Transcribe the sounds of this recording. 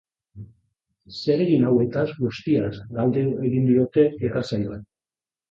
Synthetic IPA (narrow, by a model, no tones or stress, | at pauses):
se̞ɾeɣinawe̞t̪azɡust̪iazɡald̪e̞ue̞ɣind̪io̞t̪e̞et̪asajoen